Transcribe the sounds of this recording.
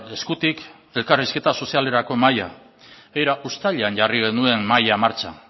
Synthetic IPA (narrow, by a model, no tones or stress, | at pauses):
e̞skut̪ik | e̞lkariske̞t̪aso̞siale̞ɾako̞maja | ejɾaʔust̪aʎeanʝariɣe̞nue̞mmajamaɾt͡ʃa̰